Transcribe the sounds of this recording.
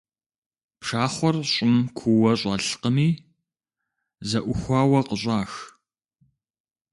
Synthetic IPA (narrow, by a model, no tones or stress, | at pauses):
pʂaːχʷɔrɕʼɪmkʷʰuwɐɕʼɐɬqəmiː | zɐʔʷʊxʷɑːwɐqəɕʼaːx